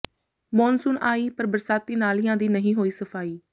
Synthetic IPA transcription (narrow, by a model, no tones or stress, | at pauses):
mɔːnsʊnaːiːpəɾbəɾsaːt̪ːiːnaːlɪjãːd̪iːnəɦĩːɦoːiːsəpʰaːiː